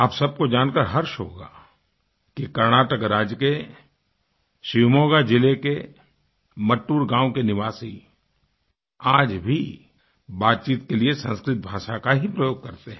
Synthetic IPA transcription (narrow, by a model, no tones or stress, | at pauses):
aːpsɐb̚kod͡ʒaːnkəɾɦɐɾʃɦoːɡa̰ː | kikɐɾñaːʈəkɾaːd͡ʒke | ʃɪʋmoːɡad͡ʒɪleke | mɐʈːuːɾɡãːwkenɪʋaːsi | aːd͡ʒbʱi | baːt̪̚t͡ʃiːt̪keliesɐ̃nskɾɪt̪̚bʱaːʃakaɦipɾɐjoːɡ̚kɐɾt̪eɦɛ̃